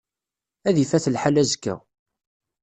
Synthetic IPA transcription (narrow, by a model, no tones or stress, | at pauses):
æðifæθəlħalæzəkːæ̰